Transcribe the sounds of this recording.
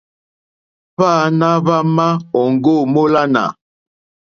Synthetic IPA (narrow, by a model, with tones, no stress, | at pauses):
βaː˦˨na˦βa˦ma˦ɔ˨ŋ˨ɡo˦˨mo˦la˦na̰˨